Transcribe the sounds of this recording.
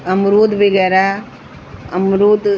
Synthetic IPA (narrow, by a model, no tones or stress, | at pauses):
ɐmɾoːd̪ʋeɡɐɾa | ɐmɾoːd̪